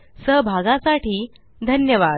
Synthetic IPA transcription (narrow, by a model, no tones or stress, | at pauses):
səɦbʱaɡãsaʈiː | d̪ʱənjəʋad